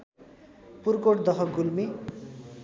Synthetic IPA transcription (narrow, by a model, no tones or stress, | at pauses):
purkoʈd̪ʌɦʌɡulmi